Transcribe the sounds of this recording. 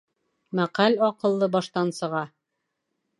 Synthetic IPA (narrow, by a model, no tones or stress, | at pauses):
mæqælʲɒqɤ̆lˠːɤbɑʃt̪ɑnsɤ̆ʁɑ